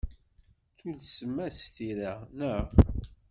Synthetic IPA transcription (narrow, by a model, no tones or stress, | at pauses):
t͡sudsəmːæsθiɾænəʁ